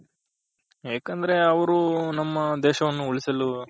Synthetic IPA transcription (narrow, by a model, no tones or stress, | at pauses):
ɦeːkɐnd̪ɐɾe̞ɐʋɐɾunɐmːɐd̪eːʃɐʋɐnːuuɭisɐlu